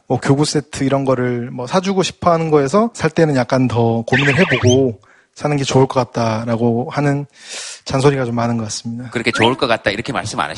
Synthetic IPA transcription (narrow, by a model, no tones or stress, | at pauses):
mʌkjoɡus͈e̞tʰɯiɾʌnɡʌɾɯɭmʌsʰad͡ʑuɡoɕʰi̥pʰʌɦanɯnɡʌe̞sʰʌsʰaɭt͈e̞nɯnjak̚k͈antʌkominɯɭɦe̞boɡo | sʰanɯnɡe̞t͡ɕouɭk͈ʌk͈at̚t͈aɾaɡohanɯnt͡ɕans̬ʰoɾiɡat͡ɕomːanɯnɡʌk͈as͈ɯmɲidakɯɾʌkʰet͡ɕouɭk͈ʌk͈at̚t͈aiɾʌkʰema̰ɭs͈ɯma̰na̰